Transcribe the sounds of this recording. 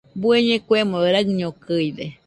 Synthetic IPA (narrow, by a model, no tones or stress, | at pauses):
bueɲẽkwemoɾakɲokɨjd̪e